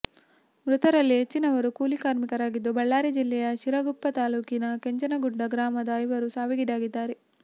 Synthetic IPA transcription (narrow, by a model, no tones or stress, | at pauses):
mɾut̪ɐɾɐlːiɦet͡ʃːinɐʋɐɾukuːlikaːɾmikɐɾaːɡid̪ːubɐɭːaːɾid͡ʒilːɛjɐʃiɾɐɡupːɐt̪aːluːkinɐkeɲt͡ʃɐnɐɡuɖːɐɡɾaːmɐd̪ɐːjʋɐɾusaːʋiɡiɖaːɡid̪ːaːɾe